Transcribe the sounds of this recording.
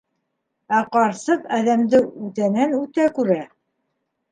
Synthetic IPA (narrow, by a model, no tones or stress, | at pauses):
æqɑɾsɤqæðæmd̪ɘʉt̪ænænʉt̪ækʉɾæ